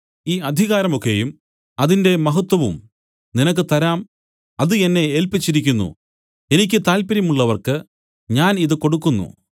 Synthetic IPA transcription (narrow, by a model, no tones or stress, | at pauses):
iːɐd̪ʱiɣaːɾɐmo̞kːe̞jum | ɐðinde̞mɐɦɐt̪wɐʋṵm | ninɐkːɨt̪ɐɾaːm | ɐðɨe̞nːe̞eːlpit͡ɕːiɾik̬ʲːunːṵ | e̞nikʲːɨt̪aːlpɐɾjɐmuɭːɐʋɐrkɨ | ɲaːniðɨko̞ɽukːunːṵ